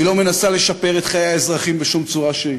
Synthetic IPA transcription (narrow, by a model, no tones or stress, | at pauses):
ilome̞nasale̞ʃape̞ʁet̪χajeaezʁaχimbeʃumt͡suʁaʃei